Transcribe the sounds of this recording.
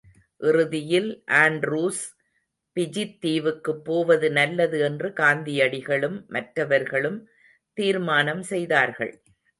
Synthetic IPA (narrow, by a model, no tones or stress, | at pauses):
ʔɪrɯðɪjɪlʔaːnɖɾuːs | pɪd͡ʒɪt̪ːiːʋɯkːɯpːoːʋɐðɯnɐlːɐðɯɛndrɯɡaːnd̪ɪjɐɽɪɣɐɭɯmːɐʈrɐʋɐɾɣɐɭɯm | t̪iːɾmaːnɐmsɛjðaːɾɣɐ̰ɭ